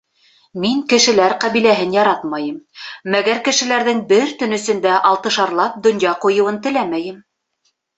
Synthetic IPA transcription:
miŋkɘ̆ʃɘ̆læɾqæβilæɦɘnjɑɾɑt̪mɑjɤmmæɡæɾkɘ̆ʃɘ̆læɾðɘŋbɘɾt̪ɵ̆nɵ̆sɵ̆nd̪æʔɑlˠt̪ɤ̆ʃɑɾlˠɑp̚d̪ŏnjɑqŭjɤ̆wɤnt̪ɘ̆læmæjɘm

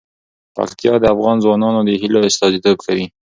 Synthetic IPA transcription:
pa̰kt̪ijɑd̪əafɣɑnzwɑnɑnod̪əɦiloɪst̪ɑzed̪əɡkawi

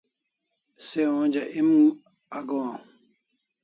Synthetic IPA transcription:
seõːd͡ʑɐʔim | ɐɡõː

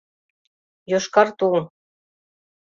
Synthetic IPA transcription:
joʃkɑrt̪uln

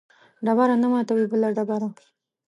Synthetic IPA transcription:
ɖabaɾanamɑt̪awibəlaɖabaɾa

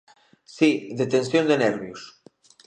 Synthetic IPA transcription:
siðet̪ensjond̪enɛɾβjus

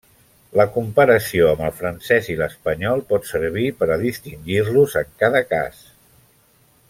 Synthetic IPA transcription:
ləkumpəɾəsioəməlˠfɾənsɛziləspəɲɔlˠpɔt̪səɾβ̞ipəɾəðist̪iŋɡirluzəŋkaðəka̰s

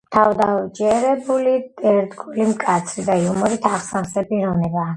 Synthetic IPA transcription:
t̪ʰavd̪ad͡ʒɛɾɛbulid̪ɛɾd̪ɡulimkʼat̪sʰɾid̪aiumɔɾit̪ʰaʁsansɛpʼiɾɔvnɛbaː

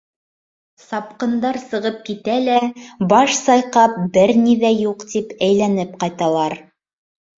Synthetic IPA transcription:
sɑp̚qɤ̆nd̪ɑɾsɤ̆ʁɤp̚kit̪ælæbɑʃsɑjqɑp̚bɘɾniðæjuqt̪ipæjlænɘp̚qɑjt̪ɑlˠɑɾ

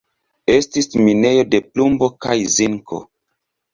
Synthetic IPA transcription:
e̞stismine̞jo̞de̞plumbo̞kajziŋko̞̰

